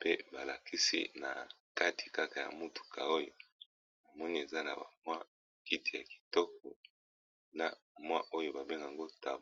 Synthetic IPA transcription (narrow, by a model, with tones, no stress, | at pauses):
pe˦ba˨la˨kʰi˦sḭ˦na̰˨ka˦tʰi̥˨ka˦ka˨ja̰˨mu˦tu̥˨kʰa̰˨o˦jo˨ | na˨mɔ˦ni˦e˨za˦na̰˨ba̰˨mwa˦˨ | ki˦ti˨ja˨ki̥˨tɔ˦k̚ɔ˨ | na̰˦mwa˦ʔo˦jo˦ba˨be˦ŋɡa˨ŋɡo˦ta˨˦